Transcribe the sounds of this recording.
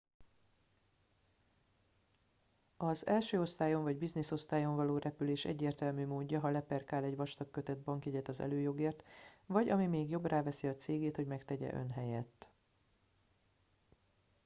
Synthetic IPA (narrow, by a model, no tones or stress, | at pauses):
ɒzɛlʃøːo̞st̪aːjo̞ɱvɒɟbizniso̞st̪aːjo̞ɱvɒloːɾʔɛpyleːʃɛ̰ɟːeːrt̪ɛlmyːmoːɟːɒɦɒlɛpɛrkaːlɛɟʋɒʃt̪ɒkːøt̪ɛd̪̚bɒŋkjɛɟɛt̪ɒzɛ̰løːjo̞ɡeːrt̪vɒɟɒmimeːɡjo̞brʔaːvɛsiɒt̪seːɡeːt̪ho̞ɟmɛkt̪ɛɟɛ̰ʔø̞̰nɦɛjɛt̪ː